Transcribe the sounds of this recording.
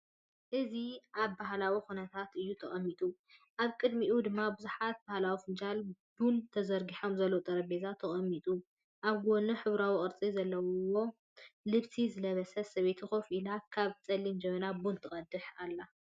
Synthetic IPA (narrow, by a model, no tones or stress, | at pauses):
ʔɨziʔaβbahlawixunɐt̪ʰat̪ɨjːut̪ʰɐχʼɐmːit̪ʼuʔaβkʼɨd̪miʔud̪ɨmːabɨzuħat̪̚bahlawifɨnd͡ʒalb̥unt̪ʰɐzɐɾɡiħo̞mzɐlːowt̪ʼɐɾɐbezat̪ʰɐχʼɐmːit̪ʼu | ʔaβɡonɐħɨβɾawikʼɨɾt͡sʼizɐlːɐwwo̞ | lɨβsʰizɨlɐβɐsɐsɐβe̞t̪ʰixofilakʰaβt͡sʼɐlːimd͡ʒɛmɐnabunt̪ʰɨχʼɐd̪ɨħalːa